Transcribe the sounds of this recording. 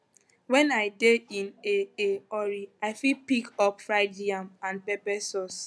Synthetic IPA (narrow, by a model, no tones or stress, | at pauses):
wɛ̃najdeĩneeɔɾiaɪfipikɔpfɹaɪd͡ʒiamãnpɛpɛsɔs